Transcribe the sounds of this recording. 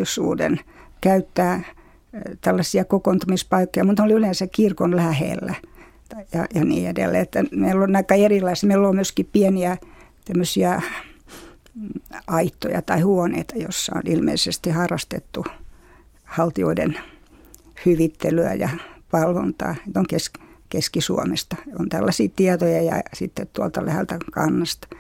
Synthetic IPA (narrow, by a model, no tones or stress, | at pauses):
isṵːdḛnkæyt̪ːæː | t̪ælːɑsiɑkokont̪umispɑikːojɑmut̪oliylensækkirkonlæhḛlːæ | jɑjɑnḭːedḛlːḛːet̪ːæmeilːonnɑikːɑerilːɑismeilːoːmyøskippieniæ | t̪æmːøsiæ | ɑit̪ːo̰jɑ̰t̪ɑihuonḛit̪ɑjo̰sːɑ̰o̰nilmḛisest̪ihɑrːɑst̪ḛt̪ːu | hɑlt̪io̰idḛn | hyʋit̪ːelyæ̰jɑ̰pɑlʋo̰nt̪ɑ̰ːet̪oŋkeskkeskisṵomest̪ɑont̪ælːɑsiːt̪iɑt̪ojɑjɑ̰sit̪ːet̪t̪uolt̪ɑlæhelt̪ækɑ̰nːɑst̪ɑ̥